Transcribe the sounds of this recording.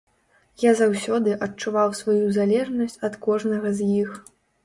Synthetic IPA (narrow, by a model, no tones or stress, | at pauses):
jazawsʲɔd̪ɨʔɐt͡ʂːuvawsvajuzalʲɛʐnɐsʲt͡sʲɐt̪kɔʐnɐɣɐzʲjix